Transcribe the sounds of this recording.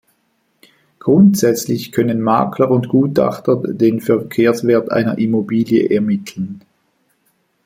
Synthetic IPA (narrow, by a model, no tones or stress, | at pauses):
ɡ̥ʁʊntz̥ɛt͡slɪçkʰœnənma̰ːkʰləʊntɡ̥uːta̰χtɐdeːnfɛɐkʰeːɐsv̥eːɐtʔa̰ɪnɐ̰ʔimobiːljə̰ʔɛɐmɪtʰl̩n